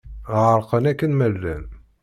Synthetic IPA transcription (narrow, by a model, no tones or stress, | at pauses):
ʕəɾˤqənækːənmælːæ̰n